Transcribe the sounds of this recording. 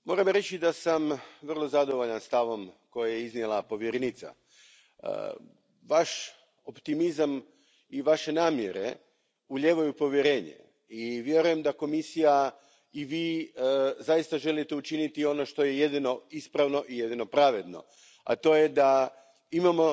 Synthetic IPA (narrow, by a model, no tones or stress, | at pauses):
mo̞ːɾamɾe̞t͡ɕid̪asamʋr̩lˠo̞zad̪o̞ʋo̞ʎanst̪aʋo̞mko̞jajeiznjelˠapo̞ʋjeɾenit̪sa̰ | ə̰ | ʋaʃ | o̞pt̪imizam | iʋaʃe̞naːmjeɾe̞̰ | uʎe̞ːʋajupo̞ʋjeɾe̞ːɲḛ | iʋje̞ɾuje̞md̪ako̞misija | iʋiː | zajist̪aʒe̞lit̪e̞ut͡ʃinit̪io̞no̞ʃt̪o̞jeje̞d̪ino̞ispɾaʋno̞ʔije̞d̪ino̞pɾaʋe̞d̪no̞̰ | a̰t̪o̞ːjed̪a | imamo̞